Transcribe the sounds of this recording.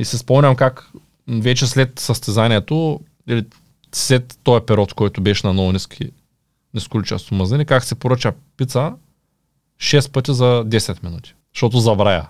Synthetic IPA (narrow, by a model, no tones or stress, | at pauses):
isispɔmnʲɐmkak | vɛt͡ʃɛslɛt̪sɐst̪ɛzanʲiɛt̪o | ili | slɛt̪ːɔɛpɛɾɔt̪kɔjt̪ʊbɛʃnɐnɔvʊnʲiskʲʰḭ | niskʊlit͡ʃa̰st̪ʊməzɛnʲikaksɛpoɾɤt͡ʃɐ | pit̪sə | ʃɛst̪̚pɤt̪ʲizɐd̪ɛsɛt̪minut̪ʲi̥ | ʃt̪ɔt̪̬ʊzɐbɾaja̰